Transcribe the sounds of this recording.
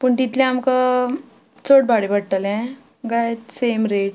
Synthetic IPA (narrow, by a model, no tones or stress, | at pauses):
puɳt̪it̪ʰljɛ̃amka | t͡soʈbʱaɽebəɽʈəlɛ̃ | ɡajt̪semɾeʈ̚